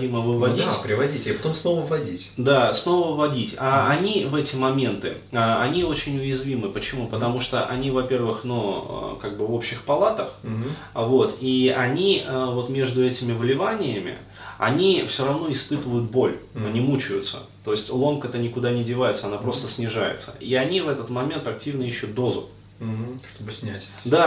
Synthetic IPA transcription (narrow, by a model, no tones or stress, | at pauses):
iməvɨvɐdʲipɾʲɪvɐdʲitʲapɐt̪omsnovəvːɐdʲitʲd̪asno̞vəvvɐdʲitʲaɐnʲivɛtʲɪmɐmʲe̞nt̪ɨ̰ | aɐnʲio̞t͡ɕɪnʲʊjɪzvʲimɨpət͡ɕɪmupət̪t̪ɐmuʂt̪oʔɐnʲivɐpʲe̞rvɨxnṵkaɡ̚bɨvo̞pɕɪxpɐlˠat̪əx̩ | vo̞t̪iɐnʲiəvo̞t̪mʲeʐd̪ʊɛtʲɪmʲɪvlʲɪvanʲɪjəmʲɪ̰ | ɐ̰nʲifsʲoɾɐvno̞ɪspɨt̪ɨvəjʊt̪̚bo̞lʲɐnʲimut͡ɕʊjʊt̪sə̰ | t̪o̞ɪsʲtʲlˠo̞mkət̪ənʲɪkʊd̪anʲɪdʲɪvajɪt̪səɐnapɾo̞st̪əsʲnʲɪʐajɪ̰t̪sə̰iɐnʲivɛt̪ət̪mɐmʲe̞nt̪ɐk̚tʲivnəiɕːʊt̪̚d̪o̞zʊ | ʂt̪obɨsʲnʲætʲ | d̪a